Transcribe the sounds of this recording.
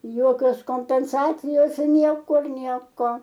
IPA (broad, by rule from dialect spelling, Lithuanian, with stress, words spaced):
ˈjoːkʲoːs koːmʲpʲɛnˈsɑːt͡sʲɪjoːs ɪr ˈnʲiɛkʊr ˈnʲiɛkoː